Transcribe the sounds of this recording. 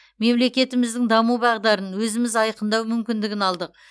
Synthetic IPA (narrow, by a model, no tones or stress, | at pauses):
me̞mle̞kʲe̞t̪ɪmɪzd̪ɪŋd̪ɑmubɑʁd̪ɑɾənwɵzɪmɪzɑjqənd̪ɑwmʏmkʲɪnd̪ɪɡʲɪnɑlˠd̪əq